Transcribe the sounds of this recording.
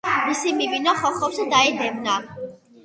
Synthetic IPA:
misimivinaχɔχɔfsɛd̪aɛd̪ɛmna

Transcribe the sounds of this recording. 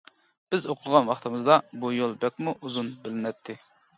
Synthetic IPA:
b̥ɪzoqʰʊlʁɑnwɑχt̪ʰɨmɨzd̪ɑbujolˠbɛk̚ʲmuʔuzunbɪlɪnɛt̪ʰːɪ

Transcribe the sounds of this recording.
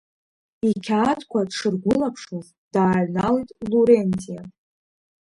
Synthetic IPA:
ikʲʰatʰkʷʰadʂɨrɡʷʊlapʰʂoz | d̥aːɥnalitʼluɾentʼija

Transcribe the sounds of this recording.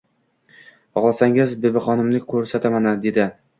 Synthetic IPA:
ɒʁlˠasaŋɪzbɪbɪχɒnɪmnɪkʲʰɵɾsat̪ʰamanad̪e̞d̪ɪ

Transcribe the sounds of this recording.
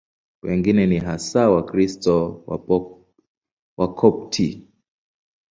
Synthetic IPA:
wɛŋɡinɛniɦasawakɾistɔwa̰ | wʔakʰɔp̚tʰi

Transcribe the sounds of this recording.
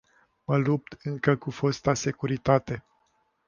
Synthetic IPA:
məlup̚t̪ɨŋkəkufost̪ase̞kuɾit̪at̪e̞

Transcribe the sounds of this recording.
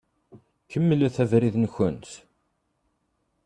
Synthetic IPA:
kʰəmːəlæθævɾiðnçənt̪

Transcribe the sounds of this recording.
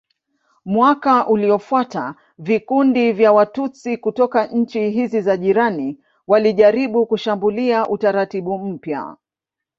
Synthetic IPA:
mwakaʔuliɔfwata | vikundivjawatut͡sikutɔkaɲ̩t͡ʃiɦizizaʄiɾani | waliʄaɾiɓukuʃambuliaʔutaɾatiɓum̩pja̰

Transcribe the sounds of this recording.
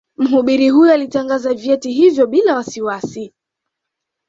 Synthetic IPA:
m̩ɦuɓiɾiɦujɔalitaŋɡazavjɛtiɦivjɔɓilawasiwasi

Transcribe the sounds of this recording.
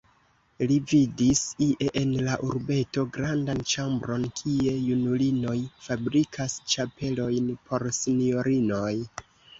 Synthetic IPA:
lividisiʔeʔenlaʔuɾbe̞to̞ɡɾandant͡ʃambɾo̞nkʰie̞junulino̞jfabɾikʰast͡ʃape̞lo̞jnpʰo̞ɾsinio̞ɾino̞j

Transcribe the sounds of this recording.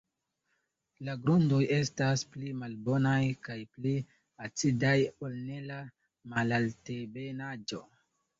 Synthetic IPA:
laɡɾundoje̞stasplimalbo̞najkajpli | at͡sidajo̞lne̞la | malaltebe̞nad͡ʒo̞

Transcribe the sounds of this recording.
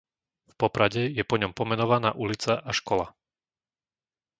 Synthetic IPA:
fpɔpɾaɟɛjɛpɔɲɔmpɔmɛnɔʋana̰ːʔulit͡saʔaʃkɔla

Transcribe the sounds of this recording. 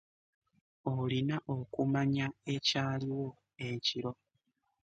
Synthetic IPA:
olinaʔokumaɲae̞caliwo̞ | e̞ciɾo̞

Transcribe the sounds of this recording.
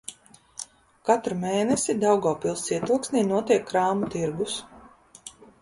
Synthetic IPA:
kat̪ɾumeːnɛsid̪awɡaːpilˠsiɛt̪ulˠksniːnuɔt̪iɛkːɾaːmut̪iɾɡus

